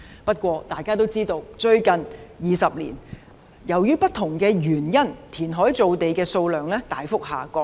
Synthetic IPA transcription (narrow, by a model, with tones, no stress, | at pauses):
pɐ˥t̚kʷɔː˧t̪aː˨jkaː˥t̪o˥wt͡siː˥t̪o˧wt͡ʃɵ˧ɥkɐ˨njiː˨sɐ˨p̚lḭː˨˩n | jɐ˨˩wjyː˥pɐ˥t̚t̪ʰʊ˨˩ŋkɛː˧jyː˨˩njɐ˥nt̪ʰiː˨˩nɦɔː˨˥jt͡so˨˧wt̪e˨jkɛː˧so˧wlœː˨ŋlɛː˥t̪aː˨˥jfʊ˥k̚haː˨˩kɔː˧k̚